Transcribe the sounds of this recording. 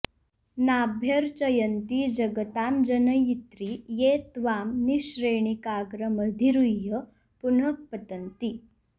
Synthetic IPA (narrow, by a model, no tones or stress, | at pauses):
nabʱjəɾt͡ɕəjənt̪id͡ʑəɡət̪amd͡ʑənəjit̪ɾijet̪ʋamniɕɾeɳ̃ikaɡɾəməd̪ʱiɾujə | puɳək̚pət̪ənt̪i